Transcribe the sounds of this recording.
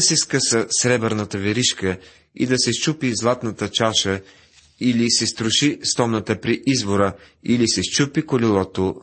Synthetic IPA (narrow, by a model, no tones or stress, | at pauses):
sɛskəsəsɾɛbəɾnət̪əvɛɾiʃkə | ḭd̪ɐsɛst͡ʃupizlˠat̪nət̪ət͡ʃaʃə | ilisɛst̪ɾʊʃist̪ɔmnət̪əpɾiʔizvoɾə | ilisɛst͡ʃupikolilˠɔt̪o